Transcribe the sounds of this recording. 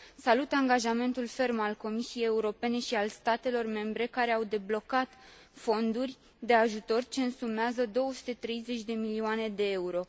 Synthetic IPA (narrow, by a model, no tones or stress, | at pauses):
salut̪aŋɡaʒame̞nt̪ulfe̞rmalko̞misie̞jeuɾo̞pe̞ne̞ʃialst̪at̪e̞lo̞rme̞mbɾe̞kaɾe̞awd̪e̞blo̞kat̪ | fo̞nd̪urʲ | d̪e̞aʒut̪o̞rt͡ʃe̞ɨnsumeazəd̪o̞wəsu̥t̪e̞t̪ɾe̞jze̞t͡ʃʲd̪e̞milioane̞d̪e̞euɾo̞